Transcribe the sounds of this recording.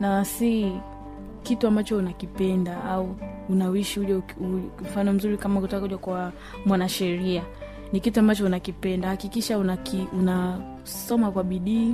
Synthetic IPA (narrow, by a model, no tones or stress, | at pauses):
nasi | kituambat͡ʃɔunakipɛndaʔauː | nawiʃihuʄɛum̩fanɔm̩zuɾikamakutakakuʄakwa | mwanaʃɛɾia | nikituambat͡ʃɔunakipɛndahakikiʃaunakiuna | sɔmakwaɓiɗiː